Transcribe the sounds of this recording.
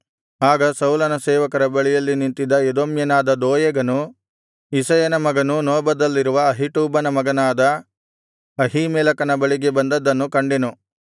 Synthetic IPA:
aːɡɐsɐwlɐnɐsɛːʋɐkɐɾɐbɐɭijɐlːinint̪id̪ɐjed̪omjɐnaːd̪ɐd̪oːjɐɡɐnu | isɐjɐnɐmɐɡɐnunɔːbɐd̪ɐlːiɾuʋɐːɦiʈuːbɐnɐmɐɡɐnaːd̪ɐ | ɐɦimɛːlɐkɐnɐbɐɭiɡe̞bɐnd̪ɐd̪ːɐnːukɐɳɖinu

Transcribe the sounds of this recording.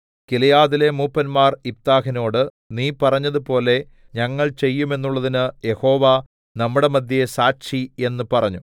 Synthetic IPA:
kilɐjaːðile̞muːpːɐnmaːrip̚t̪aːhino̞ːɽɨ | niːpɐrɐɲːɐðupo̞ːle̞ | ɲɐŋːɐɭt͡ɕe̞jːume̞nːuɭːɐðinɨje̞ho̞ːʋa | nɐmːuɽe̞mɐd̪ʱjɐesaːkɕie̞nːɨpɐrɐɲːu

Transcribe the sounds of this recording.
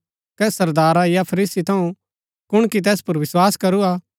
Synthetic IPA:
kɛsɐɾd̪aːɾajapʰɐɾiːsit̪ʰɐũ | kʊɳ̃kit̪̬ɛːspɐɾʋɪswaːskɐɾuaː

